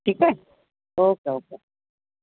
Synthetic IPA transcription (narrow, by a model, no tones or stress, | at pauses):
ʈʰiːkɛɛ | oːkeoːke